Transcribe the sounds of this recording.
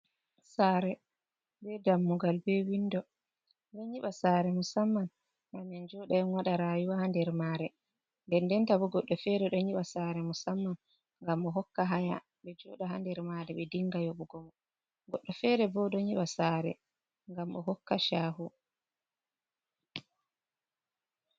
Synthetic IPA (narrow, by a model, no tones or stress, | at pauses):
saɾɛ | bɛdamːuɡalbɛwindɔ | bɛɲiɓasaɾɛmusamːan | ɡamɛnd͡ʒɔɗaɛnwaɗaɾaːjuwahandɛɾmaːɾɛ | ndɛndɛntabɔɡɔɗːɔfɛɾɛɗɔɲiɓasaɾɛmusamːan | ŋɡamɔɦɔkːaɦaja̰ | ɓɛd͡ʒɔɗaɦandɛɾmaɾɛɓɛdiŋɡajɔɓɔɡɔmɔ | ɡɔɗːɔfɛɾɛbɔɗɔɲiɓasaɾɛ̰ | ŋɡamʔɔɦɔkːaʃaːɦu